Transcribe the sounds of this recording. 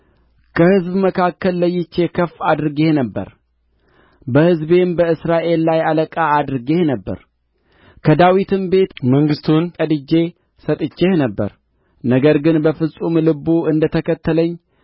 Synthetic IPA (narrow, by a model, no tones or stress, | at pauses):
kʰəhɨzbməkʰakːəlːəjːɪt͡ʃːe̞kʰəfad̪ɾɨɡe̞hnəbːə̰ɾ | bəhɨzbe̞mbəɨsɾaʔe̞lːajaləkʼaːd̪ɾɨɡe̞hnəbːə̰ɾ | kʰəd̪awit̪ʰɨmbe̞t̪məŋɡɨst̪ʰunkʼəd̪ɨd͡ʒe̞ | sət̪ʼɨt͡ʃːehnəbːə̰ɾ | nəɡəɾɡɨnbəfɨsʼumlɨbuɨnd̪ət̪ʰəkʰət̪ːələɲː